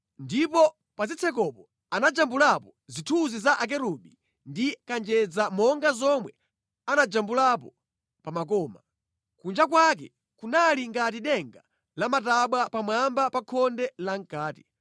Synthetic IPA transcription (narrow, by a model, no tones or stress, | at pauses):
ndipɔ | pazit͡sʰɛk̬ɔpɔ | anad͡ʒambulapɔzitʰuzizaʔak̬ɛɾuɓi | ndikand͡ʒɛd͡zamɔŋɡazɔmwɛ̰ | anad͡ʒambulapɔ | pamak̬ɔːma | kund͡ʒak̬wak̬ɛ̰ | kunaliŋɡat̬iɗɛŋɡa | lamataɓwapamwambapakʰɔndɛlaŋkaːti̥